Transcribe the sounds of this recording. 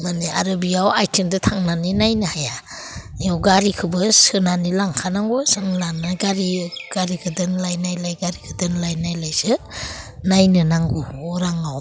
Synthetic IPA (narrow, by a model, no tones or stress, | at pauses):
maniʔa̰ɾɯbiawajtʰindɯtʰaŋnaninajnɯhaja | jawɡaɾikʰɯbɯsɯnanilaŋkʰanaŋɡusɯnlanaɡaɾiɡ̥aɾikʰɯdɯnlajnajlajɡaɾikʰɯdɯnlajnajlajzɯ | najnɯnaŋɡuɔɾaŋaw